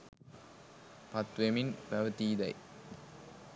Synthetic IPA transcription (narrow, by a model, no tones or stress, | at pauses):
pɐt̪ʋemɪnpɐʋɐt̪iːd̪ɐɪ